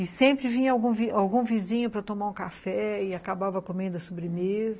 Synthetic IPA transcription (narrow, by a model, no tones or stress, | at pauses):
ɪsẽpɾɪvĩɲɐawɡũviawɡũvizĩɲʊpɾɐt̪omaɾũkafɛɪakabavɐkomẽnd̪ʊɐsobɾɪmezɐ